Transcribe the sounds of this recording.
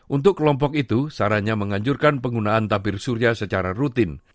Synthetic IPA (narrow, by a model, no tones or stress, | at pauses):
ʔunt̪ʊkːəlɔmp̬ɔk̚it̪usaɾaɲaməŋaɲd͡ʒurkanpəŋɡunaʔant̪abɪrsuɾiasət͡ʃaɾarut̪ɪn